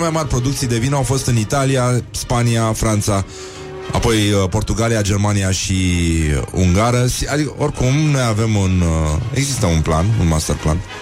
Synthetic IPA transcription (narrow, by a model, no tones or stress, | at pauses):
emajmarʲpɾo̞d̪ukt̪sijd̪e̞vinəawfo̞st̪ɨnit̪aliaspaniafɾant̪sa | a̰po̞jəpo̞rt̪uɡaliad͡ʒe̞rmanijaʃi | ṵŋɡaɾəʃiad̪ikəʔo̞rkumno̞jave̞mune̞ɡzist̪əunplanṵnmast̪erpla̰n